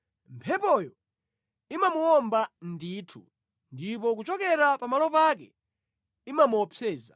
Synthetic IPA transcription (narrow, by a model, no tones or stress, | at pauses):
mpʰɛpɔjɔ | imamuɔmbandiːtʰṵ | ndipɔk̬ut͡ʃɔkɛɾapamalɔpak̬ɛ | imamuɔpʰɛːza